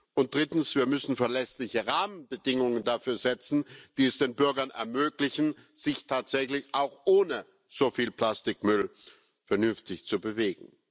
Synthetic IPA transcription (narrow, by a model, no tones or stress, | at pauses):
ʔʊnt̚d̥ʁɪtn̩sv̥iːɐmʏsn̩fɛɐlɛslɪçəʁaːmənbədɪŋʊŋəndafyːɐzɛt͡sn̩d̥iːɛsd̥eːnbʏɐɡɐnɛ̰ɐmøːklɪçn̩z̥ɪçtʰaːtz̥ɛçlɪçaʊxʔoːnə | z̥ofiːlpl̥astɪkmʏl | fɛɐnʏnftɪçt͡subəveːɡŋ̩